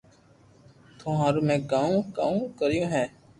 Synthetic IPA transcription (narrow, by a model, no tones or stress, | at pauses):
t̪ʰõːɦaːɾuːmɛ̃ːɡãːũːkaːũːkəɾɪjõːɦɛː